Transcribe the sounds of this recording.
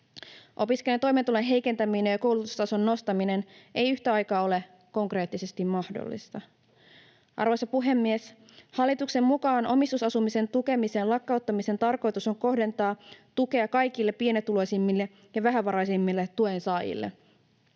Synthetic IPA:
ʔo̞piskelent̪o̞jme̞nt̪ulenɦe̞jke̞nt̪æminejɑko̞wlut̪u̥st̪ɑso̞nːo̞st̪ɑmine̞nʔejyçt̪æɑjkɑːo̞le̞ | ko̞ŋkre̞ːt̪ːise̞st̪immɑhdo̰lːḭst̪ɑ | ʔɑ̰ɾʋojsɑpuɦe̞mːies | hɑlːit̪ukse̞mmukɑːnʔo̞mist̪usɑsumise̞nt̪uke̞mise̞ːnlɑkːɑut̪ːɑmise̞nt̪ɑrko̞jt̪uso̞ŋko̞hde̞nt̪ɑːt̪uke̞ɑkɑjkilːe̞pːie̞net̪ːulo̞jsimːilːe̞ | jɑʋæɦæʋɑɾɑjsimːilːet̪ːuensɑːjḭlːḛ

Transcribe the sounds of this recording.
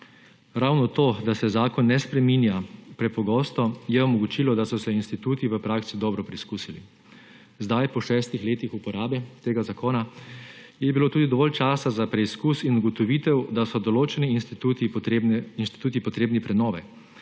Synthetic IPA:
ɾawnɔt̪oːd̪asɛzaːkɔnːɛspɾɛminjapɾɛpɔɡɔːst̪ɔjɛɔmɔɡut͡ʃilɔd̪asɔsɛinst̪it̪uːt̪iʋəpɾaːksid̪ɔːbɾɔpɾɛiskuːsilḭ | zd̪ajpɔʃɛːst̪ixleːt̪ixupɔɾaːbɛt̪eːɡazakoːna | jɛbiloːt̪uːd̪id̪ɔʋɔːlt͡ʃaːsazapɾɛiskuːsinuɡɔt̪ɔʋiːt̪ɛwd̪asɔd̪ɔloːt͡ʃɛninst̪t̪ut̪iinst̪i̥t̪uːt̪ipɔt̪ɾeːbnipɾɛnɔːʋɛ

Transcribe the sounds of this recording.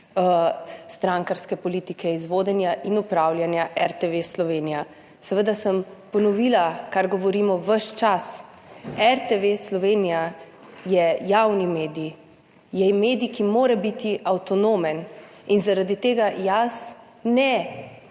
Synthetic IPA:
st̪ɾaŋkaɾskɛpɔlit̪ikʰɛizʋoːd̪ɛnjaʔinupɾawlʲjanjaʔɛɾt̪eʋeslɔʋeːnija | sɛʋəd̪asəmpɔnɔʋilakaɾɡɔʋɔɾiːmɔʋəʃt͡ʃas | ɛɾt̪eʋeslɔʋeːnija | jɛjawnimeːd̪ii | jɛjmeːd̪ikimoːɾɛbit̪iʔawt̪ɔnoːmɛn | inzaɾad̪it̪eːɡajas | nɛ

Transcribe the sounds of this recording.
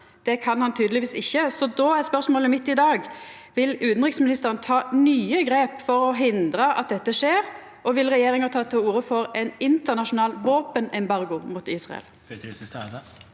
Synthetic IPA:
d̪̥ɛkʰɑnhɑnt̪ʰyːd̪əlɪʋiːsɪçːəsɔd̪ɔæspœʁsmoːləmɪt̪ːɪd̪ɑːɡ | ʋɪlʉːt̪n̩ʁɪksmɪnɪst̪əʁənt̪ʰɑːnyːəɡɾeːpfɔɾɔɦɪnd̪ɾəʔɑ̰t̪̚d̪ɛt̪ːəʂeːɾ | ʔɔʋɪlʁɛjeːɾɪŋət̪ʰɑːt̪ʰɪluːɾəfɔɾɛnɪnt̪əʁnɑʂʊnɑːlʋoːpənɛmbɑʁɡʊmuːt̪iːsʁɑ̰ɛ̰l

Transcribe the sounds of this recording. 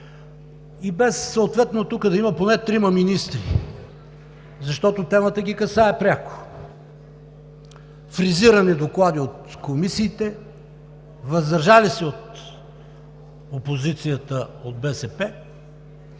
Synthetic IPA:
ibɛsːɐot̪vɛt̪not̪ukəd̪ɐimɐponɛt̪ɾimɐminist̪ɾi | zɐʃt̪ɔt̪ot̪ɛmət̪əɡʲikɐsaɛpɾʲjako̥ | fɾiziɾɐnɛd̪oklˠad̪iot̪komisiːt̪ɛ | vɐzd̪ɐɾʒalisɛot̪ | opozit̪sijət̪əod̪̚bɛsɛpɛ

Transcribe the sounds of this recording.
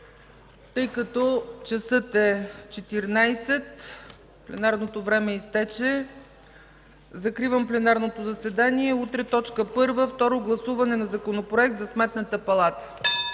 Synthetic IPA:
t̪ɤjkɐt̪ɔt͡ʃɐsɤt̪ɛt͡ʃɛt̪iɾnajsɛt̪ | plɛnaɾnot̪ovɾɛmɛist̪ɛt͡ʃɛ | zɐkɾivəmplɛnaɾnot̪ozɐsɛd̪aniɛut̪ɾɛt̪ɔt͡ʃkəpɤɾvəft̪ɔɾoɡlˠɐsuvɐnɛnɐzɐkonopɾoɛk̚t̪zɐsmɛt̪nət̪əpɐlˠat̪ə̥

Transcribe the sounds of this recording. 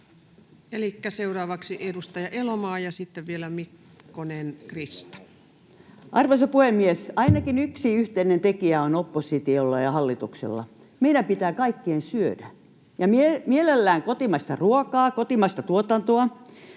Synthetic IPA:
elikːæseurɑːʋɑksiʔedust̪ɑjɑʔelomɑːjɑsit̪ːeʋʋielæmikː | onenkrist̪ɑ̥ | ʔɑrʋosɑpuhemːiesɑinɑkinyksiyht̪einent̪ekiæonopːosit̪iolːɑjɑhɑlːit̪uksḛlːɑ̰ | meilæmpit̪æːkɑikːiensyødæ | jɑmimielelːæːŋkot̪imɑst̪ɑruokɑːkot̪imɑst̪ɑt̪uot̪ɑnt̪oɑ

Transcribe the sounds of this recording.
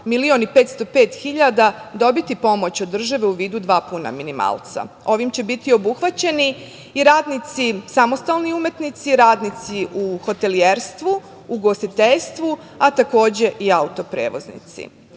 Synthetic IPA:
milio̞nipe̞ːt̪st̪o̞peːt̪xiʎad̪ad̪o̞bit̪ipo̞mo̞t͡ɕod̪ːr̩ʒaʋeuʋiːd̪ud̪ʋaːpuna̰minima̰ːlˠt̪sa̰ | o̞ʋimt͡ɕe̞bit̪io̞buxʋat͡ɕe̞niː | ɾaːd̪nit̪sisamo̞st̪alˠniume̞t̪nit̪siɾaːd̪nit̪siʔuxo̞t̪e̞lieːɾst̪ʋuː | ɡo̞st̪it̪eʎst̪ʋu | at̪ako̞ːd͡ʑe̞ʔiaut̪o̞pɾeːʋo̞̰znḭt̪sḭ

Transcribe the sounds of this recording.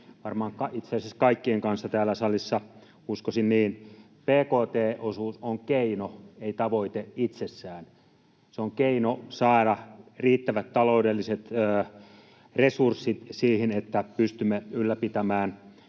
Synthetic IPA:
ʋɑrmɑːŋkɑit̪seːseskɑikːieŋkɑnsːɑt̪æːlːæsɑlisːɑ | uskosinniːn | peːkoːt̪eːʔosuːsoŋkeinoeit̪ɑʋoit̪eit̪sesːæːn | seoŋkeinosɑːɾɑriːt̪ːæʋæt̪t̪ːɑloudelːiset̪əː | resursːit̪siːhinet̪ːæpyst̪ymːeylːæpit̪æmæːn

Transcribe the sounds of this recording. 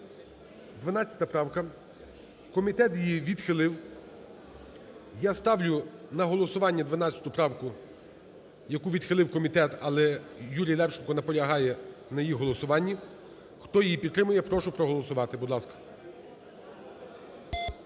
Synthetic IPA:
d̪ʋɐnɑt͡st͡sʲjɐ̥t̪ɐpɾɑwkɐ | kɔmʲit̪ɛt̪jjiʋʲid̪xɪlˠɪw | jast̪ɑwlʲʊnɐɦɔlˠɔsʊʋɑnʲːɐd̪ʋɐnɑt͡sʲːɐ̥t̪ʊpɾɑwkʊ | jɐkuʋʲid̪xɪlˠɪwkɔmʲit̪ɛt̪ɐlˠɛjuɾʲijlˠɛwt͡ʃɪnkɔnɐpɔlʲɐɦɑjɛnɐjjiɦɔlˠɔsʊʋɑnʲːi | xt̪ɔjijipʲid̪ːɾɪmʊjɛpɾɔʃʊpɾɔɦɔlˠɔsʊʋɑt̪ɪbʊd̪lˠɑskɐ̥

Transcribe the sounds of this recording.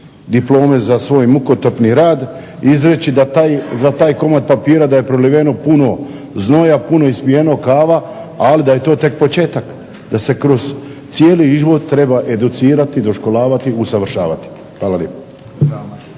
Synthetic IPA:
d̪iplˠo̞ːme̞zasʋo̞ːjmukot̪opniɾaːd̪ | izɾe̞t͡ɕid̪at̪ajzat̪aːjko̞mat̪̚papiːɾad̪aje̞pɾoliʋeno̞puno̞ | zno̞japuno̞ispijeno̞kaːʋaː | lid̪aje̞t̪oːt̪e̞k̚pot͡ʃe̞ːt̪ak | d̪ase̞kɾo̞z̥t̪sije̞ːliizʋo̞d̪t̪ɾe̞baʔe̞d̪ut̪siːɾat̪id̪o̞ʃko̞lˠaːʋat̪iusaʋr̩ʃa̰ːʋat̪i̥ | xʋaːlaljḛːpo

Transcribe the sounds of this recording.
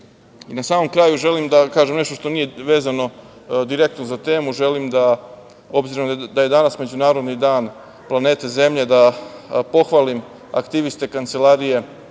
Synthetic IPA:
inasaːmo̞mkɾaːjuʒe̞limd̪akaːʒemne̞ʃt̪oʃt̪o̞nije̞ʋe̞ːzano̞ | d̪iɾe̞k̚t̪nozat̪e̞ːmuʒe̞limd̪a | o̞bziɾo̞md̪aje̞d̪anasme̞d͡ʑunaːɾod̪nid̪aːn | plˠane̞ːt̪eze̞mʎed̪apo̞xʋalim | a̰kt̪iʋist̪e̞kant̪se̞lˠaɾije̞

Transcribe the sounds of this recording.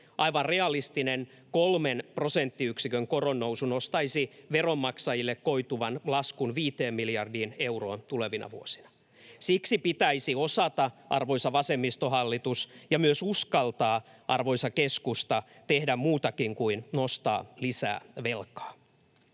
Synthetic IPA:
ʔɑiʋɑnreɑlist̪inen | kolmenpro̞sent̪ːiyksikøŋkoronːouwsunost̪ɑisiʋeromːɑksɑjilːekkoit̪uʋɑnlɑskunʋiːt̪eːmmiljɑrdiːneuro̰ːnt̪uleʋinɑ̰ʋṵosi̥nɑ̥ | siksipit̪æisiosɑt̪ɑʔɑ̰rʋo̞jsɑʋɑsemːist̪oɦɑlːit̪usjɑmyøsuskɑlt̪ɑː | ʔɑrʋo̞isɑkeskust̪ɑ | t̪ehdæmmuːt̪ɑkiŋkuinnost̪ɑ̰ːlisæ̰ːʋelkɑ̥ː

